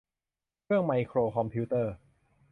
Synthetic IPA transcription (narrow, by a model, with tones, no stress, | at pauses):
kʰɯ˥˩əŋma˧jkʰɾoː˧kʰɔ˧mpʰi˦˥t̪ɤː˥˩